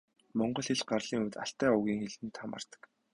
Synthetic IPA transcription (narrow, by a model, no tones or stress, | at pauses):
mɔɴɢɞ̆ɮxĕɮɢarɮiːŋuːt̪a̰ɬt̪æːʊɣʲiːŋxeɮɘ̆nt̪ʰama̰ːr̥t̪ə̥̆k